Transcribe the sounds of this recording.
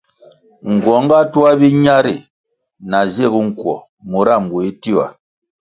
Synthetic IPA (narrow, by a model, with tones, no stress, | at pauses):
ŋ̩˨ɡwɔ˨˦ŋ˦ɡa˦tu˦a˦bi˦ɲa˦ɾi˨ | na˨ze˦˨ɡu˦ŋ̩˨kwɔ˨ | mo˨ɾa˦˨m˨bu˨i˦ti˦wa̰˨